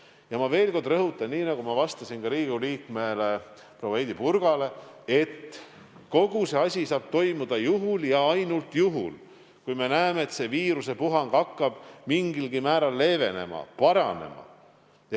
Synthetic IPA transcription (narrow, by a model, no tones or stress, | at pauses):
jɑmɑve̞ːlko̞rd̪̥rɤɦut̪ːˑɑnniːnɑɡumɑvɑst̪ɑsinɡ̥ɑɾiːɡuliːkmele | proejd̪ipurɡ̥ɑle̞e̞t̪ː | ko̞ɡ̥use̞ɑsʲisɑːb̥̚t̪o̞jmud̪̥ɑjuɦuljɑɑjnult̪juɦṵl | kujme̞næemeːt̪se̞viːɾuse̞puɦɑŋɡ̥ɑkːɑb̥miŋɡilɡ̥imæːɾɑlːe̞ːve̞ne̞̰mɑ̰pɑɾɑne̞̰mɑ̰ | jɑ